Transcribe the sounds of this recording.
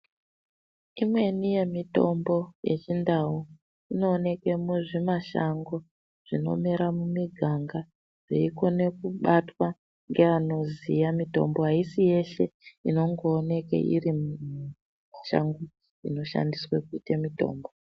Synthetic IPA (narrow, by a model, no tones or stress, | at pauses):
imwe̞nije̞mito̞mbo̞je̞̰t͡ʃindau | ino̞ːne̞kemuʐimaʃaŋɡo̞ | ʐ̥ino̞̰meɾamumiɡʱaŋɡa | ʐ̥eiko̞ne̞kuɓatwa | ŋɡe̞ano̞zijamito̞̰mbo̞ɦaisije̞ʃe̞ino̞ŋɡo̞ːne̞kḛʔḭɾimmu | maʃa̰ŋɡo | ino̞ʃa̰ndiswekuitamito̞̰ːmbo